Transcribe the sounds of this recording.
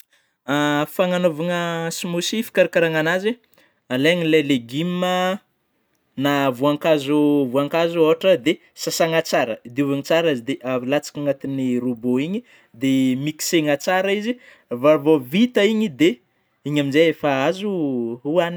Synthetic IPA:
afaŋanovaŋəsimusifi̥kaɾakaɾaŋanaze | aleŋilaleɡimə | navuaŋkazuvuaŋkazuoɦaʈ͡ʂəd̪e | sasaŋat͡saɾəid̪iuvaŋit͡saɾaizid̪eʔalat͡sḁkaŋat̪iniɾuboiɲi | d̪emiki̥seŋat͡saɾaizi | vavovit̪aiɲid̪e | iɲaminzejefaazuuani̥

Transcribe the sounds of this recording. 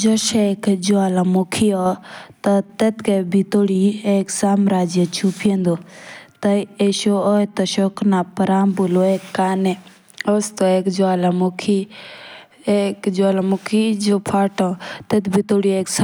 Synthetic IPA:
d͡ʒɔʃekd͡ʒoaːlamukʰiɔt̪ɐt̪et̪kebʱit̪oɽieːksaːmɾaːd͡ʒjət͡ʃʰupʰend̪ot̪ɐeʃoɔt̪ɐʃoknapɐɾaːmbuloeːkːaːne | ost̪oeːkd͡ʒoaːlamokʰi | ekd͡ʒoaːlamukʰid͡ʒoːpʰaːʈɔ̃t̪et̪bʱit̪oːɽieːks

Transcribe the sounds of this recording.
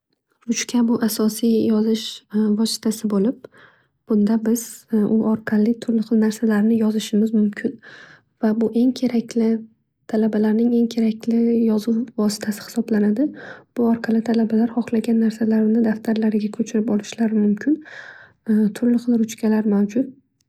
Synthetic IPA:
ɾʊt͡ʃkʲʰabʊʔasɒsijjɒzɪʃvɒsɪ̥t̪ʰasɪbolɪp̚ | b̥ʊnd̪abɪz̥ʔʊʔɒɾqʰɑlɪt̪ʰʊɾlɪχɨlˠnaɾsalaɾnɪjɒzɪʃɪmɪzmʊmkʲʰɪn | vabʊʔe̞ŋkʲʰe̞ɾakʲlɪ | t̪ʰalabalaɾnɪŋe̞ŋkʲʰe̞ɾakʲlɪjɒzuwvɒsɪ̥t̪ʰasɪ̥hɪ̥sɒblanad̪ɪb̥ʊɒɾqʰɑlɪt̪ʰalabalaɾhɒχlˠaɡʲanːaɾsalaɾnɪd̪aft̪ʰaɾlaɾɪɡʲakʰɵt͡ʃʰɪɾɪpɒlɪʃlaɾɪmʊmkʲʰɪn | t̪ʰʊɾlɪχɨlˠɾʊt͡ʃkʲʰalaɾmawd͡ʒʊt̪̚

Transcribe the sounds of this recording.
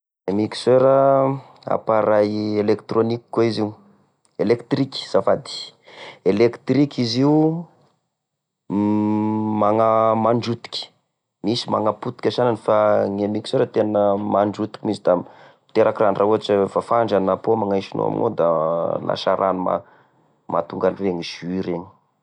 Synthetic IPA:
emiki̥søeɾə | a̰paɾajelekt̪ɾoniki̥kːoiziu | elekt̪ɾiki̥z̥afad̪i̥elekt̪ɾikʲiziu | maŋamaɳɖ͡ʐut̪i̥kʲi̥ | misimaŋaput̪i̥kʲasananifaŋemikiseɾat̪enəmaɳɖ͡ʐut̪i̥kimizid̪ḁ | t̪eɾakiranrauɦaʈ͡ʂəfafaɳɖ͡ʐanapomaŋajʃino̰a̰mḭno̰d̪ana̰ʃaɾʔanuma̰ | ma̰t̪uŋɡanireɲiʒ̥iɾeɲi̥

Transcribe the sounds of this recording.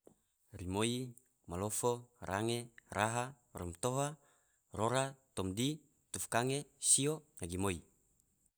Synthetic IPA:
rimoi | malofora̰ŋerʔaɦa | rɔmt̪oɦa | roɾat̪ɔmdi | t̪ufkaŋesionaɡimoi

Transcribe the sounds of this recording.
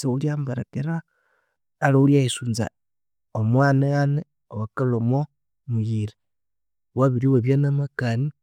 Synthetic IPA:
seuljambaɾakeɾaː | lauljaisunza̰ | omwaːnaane | owakalomo | mujiɾe | waβiɾiwaβjanamakani

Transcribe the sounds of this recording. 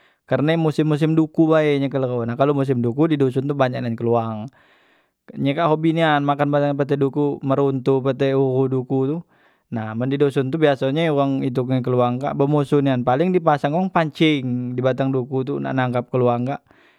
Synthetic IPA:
kərnamusɪmːus̬ɪmdukubaɛɲɛkəlonahkalomus̬ɪmdukudidos̬ʊnt̪ubaɲak̚nankəluaŋ | ɲekaʔɦobinianmakanbat̪aŋp̬ət̪ɛdukuməɾunt̪upət̪ɛuɣudukut̪u | nahməndidosʊnt̪ubiasaɲɛuwaŋit̪̬ukk̬əluaŋka̰ʔbəmusunianpalɪŋdipasaŋaŋpaɲt͡ʃɪŋdibat̪aŋdukut̪̬una̰ʔnaŋkap̚kəluaŋkaʔ

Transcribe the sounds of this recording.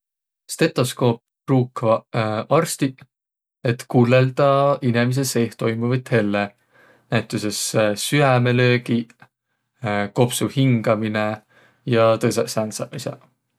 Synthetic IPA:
st̪e̞t̪ːˑo̞sko̞ːp̚ | ruːkvɑɑrst̪i | et̪kuːlːeld̪̥ɑinemis̬ese̞ːht̪o̞jmuvit̪he̞lːe | næjt̪ːˑusesːyæmelø̞ːɡi | ko̞psuhiŋɡ̥ɑmine | jɑt̪ɤssænsɑɑsɑ̰

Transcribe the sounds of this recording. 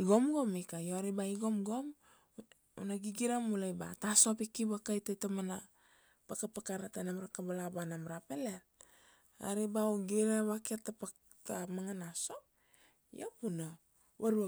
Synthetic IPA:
iɡomɡo̞mikajoɾibaiɡo̞mɡom | ṵnaɡiɡiɾamulajba̰taso̞pikiβakajtajtomana | pakapakaɾatanamɾakabalabanamɾapelel | a̰ɾibaoɡiɾeβakietapa | tamaŋanaso̞ | jopuna | waɾua

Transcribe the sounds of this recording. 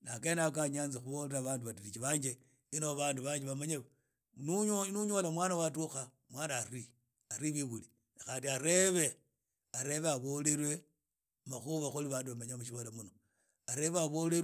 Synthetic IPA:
nakenak̬aɲaːnzixuβo̞leɾaβaːnduβatiɾit͡ʃiβaːɲd͡ʒe | inoβaːnduβaːɲd͡ʒeβamaɲeβa | nuɲolamwaːnawatuxa | mwanaɾi | aɾiβiɣuli | axaːndiaɾe̞βe̞ | aɾe̞βeaβo̞le̞ɾwe̞ | maxuβaxuliβaːnduβamaɲamuʃ̬iβolamuno | aɾe̞βeaβo̞le

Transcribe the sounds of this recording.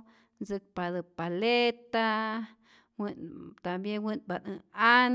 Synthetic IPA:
nzɨk̚pad̪ɨpalet̪a | wint̪ambjenwiʔnbanɨan

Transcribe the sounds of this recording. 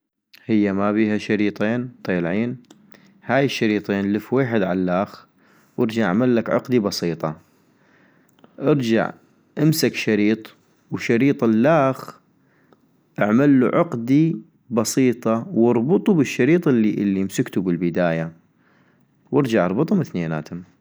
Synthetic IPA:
hɪjːamabiːhaʃɑɾiːt̪ˤeːnt̪ˤeːlʕiːn | haːjɪʃːɑɾiːt̪ˤeːnləfweːħɪd̪ʕalːaːx | wʔɪɾd͡ʒaʕʔa̰ʕmalːakʕʊ̰qd̪ibɑsiːt̪ˤɑ | ʔɪɾd͡ʒa̰ʕ | ʔɪmsakʃɑɾiːt̪ˤ | wʃɑɾiːt̪ˤɪlːaːx | ʔaʕmalːuʕʊqd̪i | bɑsiːt̪ˤɑwɑɾˤbʊt̪ˤubɪʃːɑɾiːt̪ˤɪlːiʔɪlːimsʊkt̪ubɪlbɪd̪aːja | wɪɾd͡ʒaʕʔɑɾˤbɨt̪ˤhʊmɪθneːna̰ːt̪hʊm

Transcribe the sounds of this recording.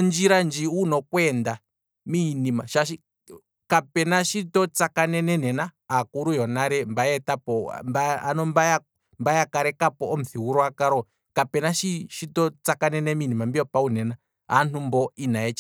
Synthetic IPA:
nd͡ʒiɾand͡ʒiunɔkwɛnda | minimaʃaʃi | kapɛnaʃitɔt͡sakanɛnɛnɛna | akuɾujɔnaɾɛmbaɛtapɔ̰mbaa̰nɔmbaja | mbajakaɾɛkapɔːm̩θiwuɾɔakaɾɔ | kapɛnaʃiʃitɔt͡sakanɛnɛminimambiɔpaunɛna | ɦan̥umbɔinaɛt͡ʃa

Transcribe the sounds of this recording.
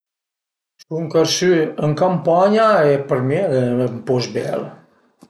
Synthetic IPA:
suŋkəɾsyəŋkampaɲaepəɾmeeəmpɔzbɛ̰l

